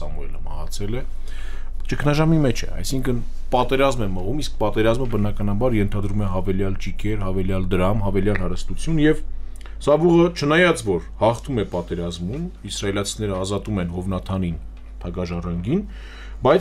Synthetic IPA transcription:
ɑmuɛləmɑ̰hɑ̰t͡sʰɛlɛ | t͡ʃəkʰnɑʒɑmimɛt͡ʃʰɛ̰ɑ̰jsiŋkʰən | pɑt̪ɛɾɑzmɛməʁumisk̚pɑt̪ɛɾɑzməbənɑkɑnɑbɑɾjɛnt̪ʰɑd̪ɾumɛɦɑvɛljɑlt͡ʃikʰɛɾɦɑvɛljɑld̪əɾɑmɦɑvɛljɑlɦɑɾəst̪ut͡sʰjunjɛv | sɑbuʁət͡ʃʰənɑjɑt͡svɔɾhɑχt̪ʰumɛpɑt̪ɛɾɑzmunisrɑɛlɑt͡sʰinɛɾəɑzɑt̪umɛnɦɔvnɑt̪ʰɑnin | t̪ʰɑɡɑʒɑrɑŋɡin | bɑjt͡s

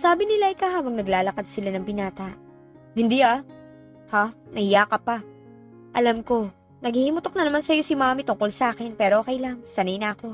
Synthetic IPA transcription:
saːbɪnɪlaʔɪkahaːbɐŋnɐɡlaːlɐkad̪̚sɪlanɐŋbɪnaːt̪ɐ | hɪnd̪iʔa | hanɐhɪjakɐpa | ʔɐlamko̞ | nɐɡhihimʊt̪ok̚nɐnɐmansɐjo̞sɪmaːmit̪ʊŋko̞lsɐʔaːkɪnpɛːɾoʔoːkɛjlaŋsɐnɐjnɐʔɐko̞

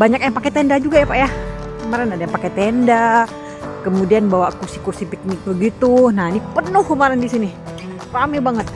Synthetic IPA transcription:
baɲak̚jaŋpaket̪ɛndad͡ʒuɡajapaja | kəmaɾanadajapakɛt̪enda | kəmudianbawakursikursipik̚nɪk̚bəɡit̪unanipənʊhkəmaɾandisini | pamibaŋət̪̚

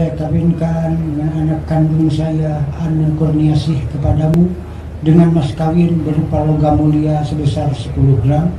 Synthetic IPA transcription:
ajakawɪnkandəŋananakːandʊŋsajaːnankɔrniasɪhkəpadamu | dəŋanmaskawɪnbəɾupaloɡamuliasəbəsarsəpuluhɡɾam

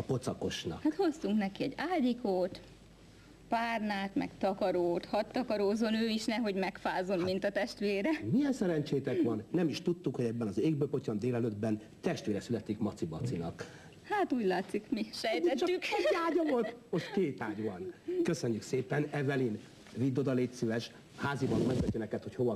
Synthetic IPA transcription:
po̞t̪sɒko̞ʃnɒ̰khat̪ho̞st̪uŋknɛkiɛɟaːɟikoːt̪ | paːrnaːt̪mɛ̰kt̪ɒkɒɾoːt̪hɒt̪ːɒkɒɾoːzo̞nøːiʃnɛɦo̞ɟmɛkfaːzo̞mmint̪ɒt̪ɛʃt̪ʋeːɾɛmijɛnsɛɾɛnt͡ʃeːt̪ɛkʋɒnːɛmiʃt̪ut̪ːukhoɟɛbːɛnɒzeːɡ̚bøːpo̞cɒnd̪eːlɛlød̪bɛn | t̪ɛʃt̪vʋeːɾɛsylɛt̪ikmɒt̪sibɒt̪sinɒk | haːt̪uːɟlaːt̪sikmiʃɛjt̪ɛtt͡ʃ̪ːykaːɟɒvo̞lt̪mo̞ʃt̪keːt̪aːɟʋɒnkøsøɲːykseːpɛnɛvɛlin | vid̪ːod̪ɒleːtsyvɛʃ | haːzibɒnmɛɡɛd̪ːønɛkɛt̪ho̞cho̞vɒ

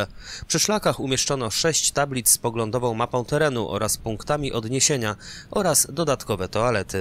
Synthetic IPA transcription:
pʂɘʂlakaxumʲjɛʂt͡ʂɔnɔʂɛɕt͡ɕt̪ablʲit̪sspɔɡlɔnd̪ɔvɔ̃w̃mapɔ̃w̃t̪ɛɾɛnuʔɔ̰ɾaspuŋkt̪amʲiʔɔd̪ɲeɕeɲaʔɔɾasd̪ɔd̪at̪kɔvɛt̪ɔalɛt̪ɘ

